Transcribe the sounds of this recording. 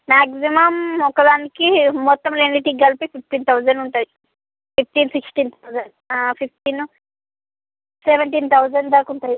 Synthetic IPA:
maːksimɐmɔkːɐd̪aːnikiːɔt̪ːɐmleːniʈiɡɐlpipʰip̚ʈiːnt̪ʰɐwzɐɳɖuɳʈaːi | pʰip̚ʰʈiːnsiksʈiːnt̪ʰɐwzɐɳɖ | pʰipʈiːn | seʋɐɳʈint̪ʰɐwzɐɳɖd̪ɐɾkuɳʈ̪aːji

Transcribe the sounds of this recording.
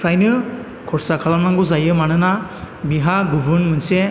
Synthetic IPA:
kʰɾajnɯ | kʰɔɾsakʰalamnaŋɡuzajɯmanɯna | biɦaɡubʱɯɾnmɯnse

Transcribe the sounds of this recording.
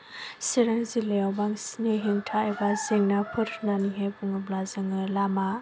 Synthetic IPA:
siɾaŋzileawbaŋsneɦeŋtʰaejbazeŋnapʰɯɾnaniɦejbɯŋɯblazɯŋɯlama

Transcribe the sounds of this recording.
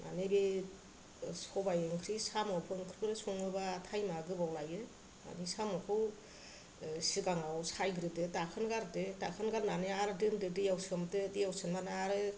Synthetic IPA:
na̰nebe | sɔbajɯŋkʰɾisamawpʰɯŋkʰɾikɯɾɯsɔŋɯbatʰajmaɡɯbawlajɯ | a̰nisamɔkʰɯw | siɡaŋawsʰajɡɾɯdetakʰɯnɡaɾdetakʰɯnɡaɾnaneaɾɯdɯndɯdijawsɯmtedijawsɯnmanaɾɯ

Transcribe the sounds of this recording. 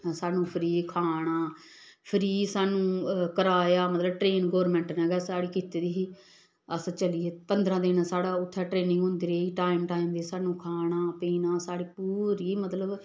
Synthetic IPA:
saːnũːpʰəɾiːkʰaːɽ̃aː | pʰəɾiːsaːnũːkəɾaːjaːmət̪ləbʈɾeːnɡɔːɾmɛ̃ːɳʈnɛ̃ːɡɛːsaːɽiːkiːt̪eːd̪iːɦiː | əst͡ʃəliːeːpənd̪ɾãːd̪eːnaːsaːɽaːʊt̪ʰːɛːʈɾeːnɪ̃ŋɡɦʊ̃nd̪iːɾeːiːʈaːɪmʈaːimd̪eːsaːnũːkʰaːɽaːpiːnaːsaːɽiːpuːɾiːmət̪ləb

